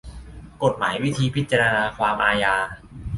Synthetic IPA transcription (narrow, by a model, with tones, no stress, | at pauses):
ko˨˩t̪̚maː˩˦jwi˦˥t̪ʰiː˧pʰi˦˥t̪̚t͡ɕa˧ɾa˧naː˧kʰwaː˧mʔaː˧jaː˧